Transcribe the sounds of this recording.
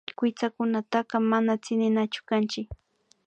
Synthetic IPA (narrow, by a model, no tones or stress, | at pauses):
kʊt͡sakʊnat̪ɑɢɑmanat͡sɪnɪnat͡ʃʊ̥kant͡ʃɪk